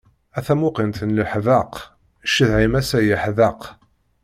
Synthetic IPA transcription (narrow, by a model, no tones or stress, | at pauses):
æθæmʊqint̪ənləħðəq | ʃəðʕimæsæjəħðɑq